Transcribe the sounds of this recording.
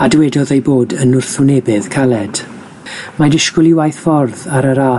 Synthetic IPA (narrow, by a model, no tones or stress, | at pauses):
adwɛdɔðejboːdənʊr̥θʊnɛbɪð̥kʰalˠɛd̥ | madɪʃkʊlˠɪwajθfɔrðaɾəɾaː